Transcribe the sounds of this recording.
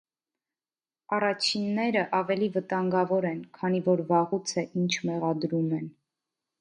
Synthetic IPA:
ɑrɑt͡ʃʰinːɛɾəʔɑvɛlivət̪ɑŋɡɑvɔɾɛnkʰɑnivɔɾvɑʁut͡sʰəʔint͡ʃʰmɛʁɑd̪ɾumɛn

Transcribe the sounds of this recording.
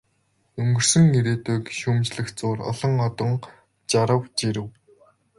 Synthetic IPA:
ɵŋɡɵ̆r̥sɵ̆ŋːiɾeːt̪ʊːkʃuːmt͡ɕɮɘ̆xt͡sʊːrɔ̰ɮɞ̆ŋɔt̪ɞ̆ŋ | t͡ɕaɾə̆wt͡ɕiɾɘ̆w

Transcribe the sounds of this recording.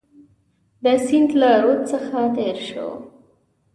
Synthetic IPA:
d̪əsɪnd̪laɾot̪səxat̪eɾʃo̰

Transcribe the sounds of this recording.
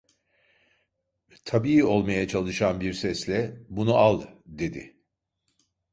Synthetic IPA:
t̪ʰabiio̞lˠmajat͡ʃʰalˠɯʃanbiɾsɛslʲɛbunuʔalˠd̪e̞d̪ɪ̰

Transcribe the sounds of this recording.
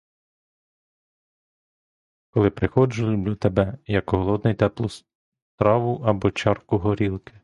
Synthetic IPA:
kɔlˠɪpɾɪxɔd͡ʒʊlʲʊblʲut̪ebɛjɐkɦɔlˠɔd̪nɛjt̪ɛplˠʊs | t̪ɾɑʋʊʔɐbɔt͡ʃɑrkʊɦɔɾʲilˠkɪ̥

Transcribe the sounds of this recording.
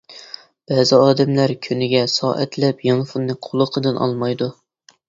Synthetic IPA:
b̥ɛːzɪɑːd̪ɛmlæɾkʲʰynɪɡʲɛsɑ̰ːʔɛt̪lɛpjɑŋfunːɨqʰolˠəqʰəd̪ɨnʔɑ̰lˠmɑjd̪u

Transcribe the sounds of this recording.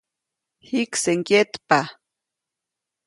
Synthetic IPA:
hikseŋkjet̪pa

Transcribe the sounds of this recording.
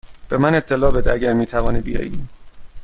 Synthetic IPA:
b̥e̞mæne̞t̪ʰːelɒːbed̪æɟæɾmiːt̪ʰævɒːnibijɒ̰ːji

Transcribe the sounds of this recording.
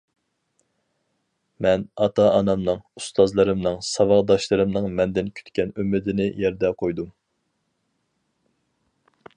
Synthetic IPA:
mɛnɑt̪ʰɑɑnɑmnɨŋust̪ʰɑzlˠɨɾɨmnɨŋsɑvɑʁd̪ɑʃlˠɨɾɨmnɨŋmɛnd̪ɪnkʲʰy̥t̪kʲɛnymːɪd̪ɪnɪjɛɾd̪ɛqʰojd̪um

